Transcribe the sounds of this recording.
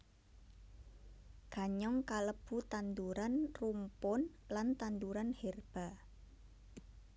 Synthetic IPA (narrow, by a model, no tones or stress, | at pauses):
ɡ̥a̤ɲɔŋkaləb̥ut̪and̪uɾanrumpʊn | lant̪and̪uɾanhɛrb̥a̤